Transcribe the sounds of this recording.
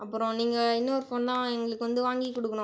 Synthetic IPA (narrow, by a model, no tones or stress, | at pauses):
ɐpːɯɾõniːŋɡɐɪnːɐɔɾɯfoːnt̪ãːɛŋɡɐɭɯkːɯʋɐnd̪ɯʋaːŋɡikɔɽɯkːɐɳʊ̃